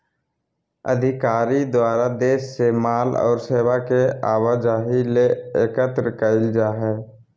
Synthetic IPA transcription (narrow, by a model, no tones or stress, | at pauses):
ə̰d̪ʱɪkaːɾid̪waːɾad̪eːʃsemaːlɔ̰ːɾseːwakeaːʋad͡ʒaːɦileeːkət̪ɾəkaɪld͡ʒaɦɛː